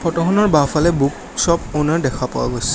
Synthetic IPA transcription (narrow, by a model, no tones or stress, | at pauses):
pʰɔtɔxɔnɔɹbafalɛbuk | sɔponɔɹdɛkʰapawa̰ɡojsi̥